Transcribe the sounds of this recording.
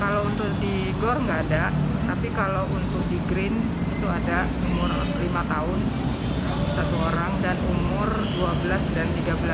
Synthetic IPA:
kalawunt̪ʊk̚di | ɡɔrŋɡaːdaʔt̪apikalawʔunt̪ʊk̚diɡɾɪn | it̪uadasəmua | limat̪aʊn | sat̪uoɾaŋdanumʊr | duabəlasdant̪iɡabəla

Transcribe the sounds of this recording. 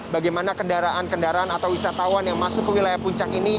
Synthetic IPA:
baɡajmanakəndaɾaʔankəndaɾaanat̪awisat̪awanjaŋmasʊkːəwilajahpuɲt͡ʃakini

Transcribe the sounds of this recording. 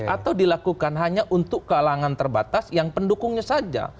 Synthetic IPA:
ʔat̪awdilakukanɦaɲaʔunt̪ʊkːəalaŋant̪ərbat̪asjaŋpəndukʊŋɲasad͡ʒa̰

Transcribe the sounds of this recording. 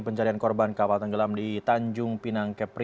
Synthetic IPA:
pəɲt͡ʃaɾiankɔrbankapalt̪əŋɡəlamdit̪aɲd͡ʒʊŋpinaŋkɛpɾ

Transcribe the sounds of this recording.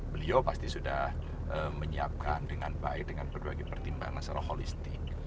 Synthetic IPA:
bəliopast̪isudah | ʔəməɲia̰p̚kandəŋanbaɪk̚dəŋanbərbaɡepərt̪imba̰ŋansaɾaholist̪ɪk̚

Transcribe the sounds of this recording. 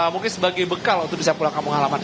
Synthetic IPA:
muŋkɪnsəbaɡajbəkalnt̪ukbisapulakaməŋɦalaman

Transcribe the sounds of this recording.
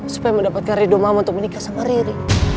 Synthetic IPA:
su̥pajaməndapat̪̚kanridɔmamaunt̪ʊk̚mənikasaŋaɾiɾi

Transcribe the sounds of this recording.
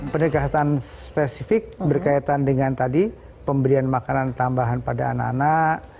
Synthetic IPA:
pənəɡat̪anspesifɪk̚bərkajt̪andəŋant̪adi | pəmbəɾianmakanant̪ambaɦanpadaːnakːanaʔ

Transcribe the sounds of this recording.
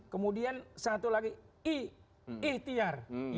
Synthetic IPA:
kəmudiansat̪ulaɡiiː | ht̪iarj

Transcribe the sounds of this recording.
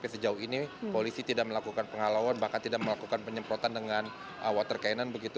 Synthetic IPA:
pɛsəd͡ʒauɦinipolisit̪idak̚məlakukanpəŋalawanbahkant̪idak̚məlakukanpəɲəmpɾot̪andəŋan | əwat̪ərkainanbəɡit̪u

